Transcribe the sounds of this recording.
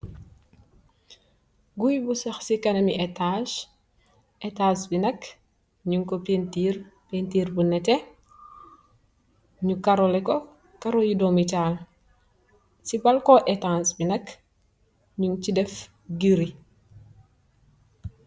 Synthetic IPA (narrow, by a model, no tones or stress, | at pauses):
ɡujbusɐxsikɐnɐmiʔɛtaʃ | ʔɛtaːsbinɐk | ɲuŋkɔpentirpentiːrbunɛtɛ | ɲukɐɾɔlɛkɔ | kɐɾɔjidɔmit͡ʃaːl | sibɐlkɔʔɛtansbinɐk | ɲunt͡ʃidɛf | ɡiɾi